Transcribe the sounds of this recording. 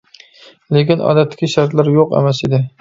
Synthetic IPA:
lekʲɪnɒ̰d̪at̪kʲɪʃaɾt̪laɾjoqḛmased̪ɪ

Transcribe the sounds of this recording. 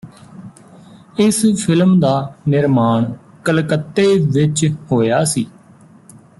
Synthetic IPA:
ɪspʰɪlmd̪aːnɪɾmaːɳ | kəlkət̪ːeːʋɪt͡ʃhoːjaːsiː

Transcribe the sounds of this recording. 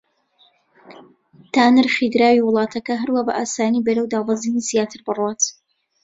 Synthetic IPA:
t̪aːnɨɾχid̪ɾaːwiwʊlˠɑːt̪ʰɐkɐɦɐɾwaːbɐ̰ʔaːsaːniːbɐɾɐwd̪aːvɑzinizijaːt̪ʰɨɾbɨrwat̪

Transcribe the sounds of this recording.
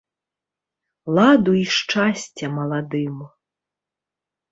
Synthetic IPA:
lˠad̪uiʂt͡ʂasʲt͡sʲɐmɐlˠad̪ɨm

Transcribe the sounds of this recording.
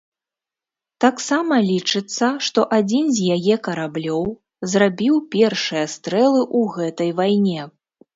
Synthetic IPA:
t̪aksamɐlʲit͡ʂɨt̪sːɐʂt̪ɔʔad͡zʲinzʲjajɛkɐɾablʲɔw | zrabʲiwpʲɛrʂɨjɐst̪ɾɛlˠɨʔuɣɛt̪ɐjvajnʲɛ

